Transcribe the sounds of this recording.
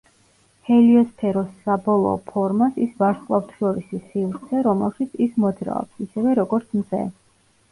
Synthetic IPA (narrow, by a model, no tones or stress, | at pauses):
hɛliɔspʰɛɾɔsːabɔlˠɔ̰ːpʰɔɾmasisvaɾskʼlˠavt̪ʰʃɔɾisisivɾt̪sʰɛɾɔmɛlˠʃit̪sʰismɔd̪zɾa̰ɔ̰psisɛvɛɾɔɡɔɾt̪sʰmzɛ̰